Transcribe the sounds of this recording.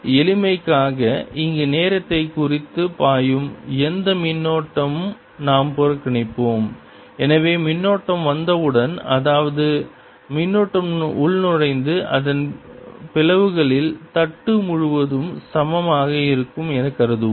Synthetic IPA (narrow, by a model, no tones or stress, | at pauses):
ɛlɪmɐɪkːaːɣɐʔɪŋɡeneːɾɐt̪ːɐɪkːʊrɪt̪ːɯpaːjɯmɛnd̪ɐmɪnːoːʈːɐmɯm | naːmpɔɾɐkːɪɳɐɪpːoːm | ɛnɐʋeːmɪnːoːʈːɐmʋɐnd̪ɐʋɯɽɐnɐðaːʋɐðɯ | mɪnːoːʈːɐmʊɭnɔɻɐɪnd̪ɯʔɐðɐnpɪlɐʋɯɣɐɭɪlt̪ɐʈːɯmʊɻʊʋɐðɯmsɐmɐmaːɣɐɪɾɯkːɯmɛnɐkːɐɾɐðɯ